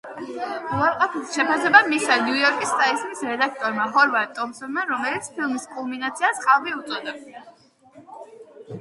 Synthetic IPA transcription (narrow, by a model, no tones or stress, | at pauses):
aɾqʼapʰilˠʃɛpʰasɛbamisanjujɔɾkʼist̪ʼaiskʼisɾɛd̪ak̚ʰt̪ʼɔɾmaɦɔɾvaɾt̪ʼɔmsɔnmaɾɔmɛlit̪sʰpʰilˠmiskʼulˠminat̪sʰiasχʼalˠviut̪sʼɔd̪a